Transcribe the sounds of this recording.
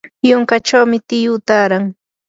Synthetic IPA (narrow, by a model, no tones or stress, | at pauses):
joŋkat͡ʃawmɪt̪ɪjʊt̪aːɾaŋ